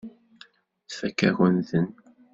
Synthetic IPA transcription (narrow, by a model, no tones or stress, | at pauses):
θfækːæ̰ɣənðən